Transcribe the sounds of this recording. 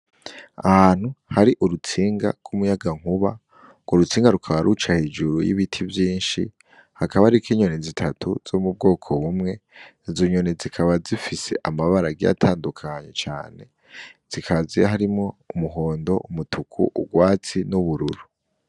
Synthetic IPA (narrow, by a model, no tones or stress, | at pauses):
a̰haːn̥huhaɾiʔuɾut͡siːŋɡa̰ɡ̥ɡumujaɡaŋ̥uβa | ŋɡwoɾut͡siːŋɡaɾukʰaβaɾut͡ʃahe̞d͡ʒuɾujḭβitʰivjiːnʃḭ | hakaβaɾikiːɲonezitʰatʰuz̥omub̚ɡo̞ːkʰo̞βumŋe̞ | zoɲonezikʰaβazifise̞ʔamaβaɾaɡia̰tʰaːndukʰaɲe̞̰t͡ʃa̰ːne̞̰ | z̥ikʰazeɦaɾimŋo̞umuɦo̞ːndo̞ʔumutʰukʰṵʔuɡwaːt͡sinuβuɾuɾu